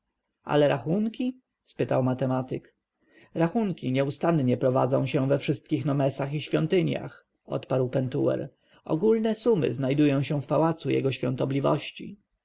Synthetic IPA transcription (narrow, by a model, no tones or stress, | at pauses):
ʔa̰lɛɾaxuŋkʲi | spɘt̪awmat̪ɛmat̪ɘk | ɾaxuŋkʲiɲɛust̪anɲɛpɾɔva̰d̪zɔ̃ɕɛ̃vɛfʂɘst̪kʲixnɔmɛsaxiɕfʲjɔnt̪ɘɲja̰x | ɔ̰t̪paɾwpɛnt̪ṵwɛ̰ɾ | ɔ̰ɡulnɛsumɘ̰znajd̪ujɔ̃w̃ɕɛ̃fpawat̪sujɛ̰ɡɔɕfʲjɔ̰̃nt̪ɔblʲivɔ̰ɕt͡ɕḭ